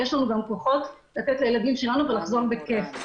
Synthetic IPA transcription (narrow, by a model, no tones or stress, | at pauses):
jeʃlanuɡamko̞χo̞t | lat̪et̪laje̞lad̪imʃe̞lanuve̞laχzo̞ʁbeke̞f